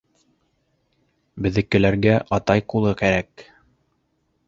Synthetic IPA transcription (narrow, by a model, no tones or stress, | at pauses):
bɘ̆ðɘ̆kːɘ̆læɾɡæʔɑt̪ɑjqulˠɤkæɾæk